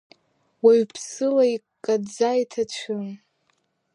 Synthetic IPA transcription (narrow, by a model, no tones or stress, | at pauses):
waɥpʰsɨlai | kʼad͡zajtʰat͡ʃʷʰɨn